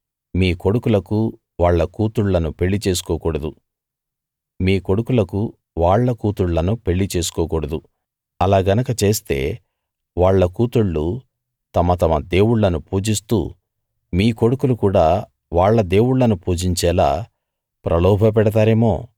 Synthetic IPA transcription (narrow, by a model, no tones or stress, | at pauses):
miːko̞ɽukulɐku | ʋaːɭːɐkuːt̪uɭlɐnupe̞ɭːit͡ʃe̞ːs̬u̥kɔːkuːɽɐd̪u | miːko̞ɽukulɐku | ʋaːɭːɐkuːt̪uɭlɐnupe̞ɭːit͡ʃe̞ːs̬u̥kɔːkuɽɐd̪u | ɐlaːɡɐnɐkɐt͡ʃe̞ːst̪e̞ː | ʋaːɭːɐkuːt̪uɭːu | t̪ɐmɐt̪ɐmɐd̪e̞ːwuɽːɐnupuːd͡ʒist̪ṵː | miːko̞ɽukulukuːɽaː | ʋaːɭːɐd̪e̞ːwuɽːɐnupuːd͡ʒiɲt͡ʃɛːla̰ː | pɾʔɐlɔːbʱɐp̬ɛɽɐt̪̬aːɾe̞ːmo̞̰ː